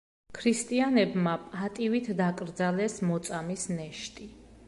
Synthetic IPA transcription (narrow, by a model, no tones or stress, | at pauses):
kʰɾist̪ʼianɛbmapʼat̪ʼivit̪ʰd̪akʼɾd̪zalɛsmɔt̪sʼamisnɛʃt̪ʼi